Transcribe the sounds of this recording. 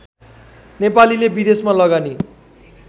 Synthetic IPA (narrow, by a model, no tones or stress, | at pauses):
nepalilebid̪esmalʌɡani